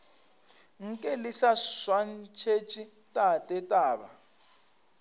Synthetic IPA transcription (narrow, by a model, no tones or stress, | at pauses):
ŋ̩kʼɛlisaswant͡ʃʰet͡ʃʼi | tʼatʼɛtʼaːba